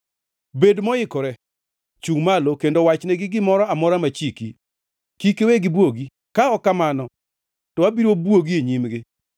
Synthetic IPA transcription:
bedmɔjɪkɔɾɛ | t͡ʃuŋmalokendowat͡ʃnɛɡɪɡɪmɔɾɔamɔɾamat͡ʃiki | kikeweɡɪbwoɡi | kaɔkamanɔ | tɔabiɾobwoɡieɲimɡɪ

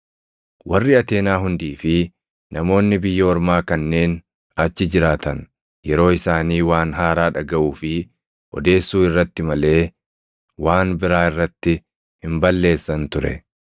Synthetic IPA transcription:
wɐrːɪɐt̪e̞ːnaːɦʊnd̪iːfɪ | nɐmo̞ːnːɪbɪjːɐɔɾmaːkɐnːe̞ːn | ɐt͡ʃːɪd͡ʒɪɾaːt̪ɐn | jɛɾo̞ːɪsaːniːwaːnɦaːɾaːᶑɐɡɐʔuːfɪ | ʔɔ̰d̪e̞ːsːuːɪrːɐt̪ːɪmɐle̞ː | waːnbɪɾaːɪrːɐt̪ːɪ | hɪmbɐlːe̞ːsːɐnt̪ʊɾɛ̰

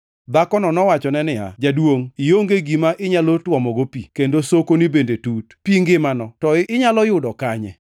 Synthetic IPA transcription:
d̪akɔnɔnɔwat͡ʃɔnɛnɪa̰d͡ʒadwoŋijoŋɡeɡimaʔɪɲalotwɔmɔɡopikendosokonibendetutpiŋɡɪmanɔtɔɪɲalɔjʊdɔkaɲɛ̰

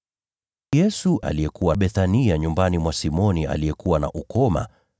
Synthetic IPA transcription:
jɛsuʔa̰lijɛkuwaɓɛθaniaɲumbanimwasimɔniʔa̰lijɛkuwana̰ʔukɔma̰

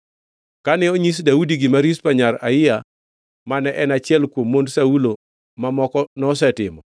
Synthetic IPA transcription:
kanɛoɲis̬daudiɡɪmaɾispaɲaɾa̰ɪja | manɛʔɛnat͡ʃɪɛlkwomːondsaulo | mamɔkɔnɔs̬ɛtɪ̰mɔ

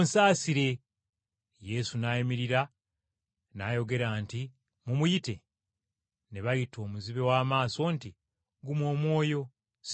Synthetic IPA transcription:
nsaːsiɾe̞ | je̞sunajimiɾiɾa | naːjo̞ɡe̞ɾaːnti | mumujite̞ | neβajitʰo̞ːmuziβe̞waːmaːso̞nti | ɡumwo̞ːmwo̞ːjo̞ | s

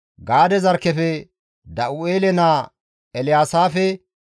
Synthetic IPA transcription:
ɡaːd̪ɛzɐɾkːɛfɛ | d̪ɐʔʊeːlɛnaː | ɛlɪjaːsaːfɛ

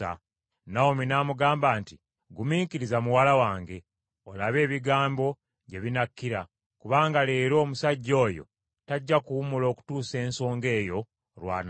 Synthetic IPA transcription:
a̰ | naominaːmuɡaːmbaːnti | ɡumiːkiɾizamuwalawaːŋɡe̞ | o̞laβe̞ːβiɡaːmbo̞ | ɟe̞βinakːiɾa | kuβaːŋɡaleːɾo̞ːmusaɟːo̞ːjo̞̰ | taɟːakuwumulo̞ːku̥tuːse̞ːnso̞ːŋɡe̞ːjo̞ | ɾwa̰ːn

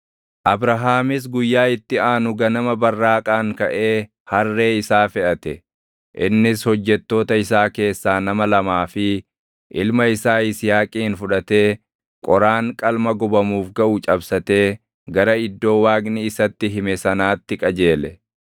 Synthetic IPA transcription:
ʔɐbɾɐɦaːmɪs̬ɡʊjːaːɪt̪ːɪaːnʊɡɐnɐmɐbɐrːaːkʼaːŋkɐʔe̞ː | hɐrːe̞ːɪsaːfɛʔɐt̪ɛ | ʔɪnːɪshɔd͡ʒːɛt̪ːo̞ːt̪ɐɪsaːke̞ːsːaːnɐmɐlɐmaːfɪ | ʔɪlmɐɪsaːɪsjaːkʼiːnfʊᶑɐt̪e̞ː | kʼɔɾaːŋkʼɐlmɐɡɔbɐmuːfɡɐʔʊt͡ʃʼɐbsɐt̪e̞ː | ɡɐɾɐɪd̪ːo̞ːwaːɡnɪɪsɐt̪ːɪɦɪmɛsɐnaːt̪ːɪkʼɐd͡ʒe̞ːlɛ

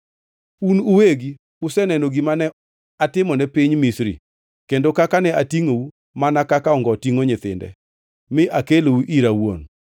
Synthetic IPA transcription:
unʊweɡi | ʊsɛnɛnoɡimanɛ | atɪmɔnɛpɪɲmisɾḭ | kendokakanɛatiŋou | manakakaɔŋɡɔtiŋoɲɪt̪ɪ̰ndɛ̰ | mɪʔakelouʔiɾawo̰n

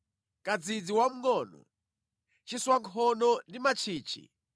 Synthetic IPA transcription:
kad͡zid͡ziwam̩ŋɔːnɔ̰ | t͡ʃiswaŋkʰɔnɔndimat͡ʃʰiːt͡ʃʰḭ

